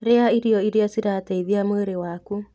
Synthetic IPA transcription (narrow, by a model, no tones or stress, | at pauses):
ɾeaiɾiɔiɾeasiɾataiβjamweɾewaku